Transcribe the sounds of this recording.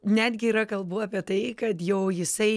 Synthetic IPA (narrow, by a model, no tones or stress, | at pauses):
nʲæːd̪ʲɡʲɪiːɾɐkɐlˠbuːaːpʲiɛt̪ɐɪkɐt̪jɛʊjɪsɐɪ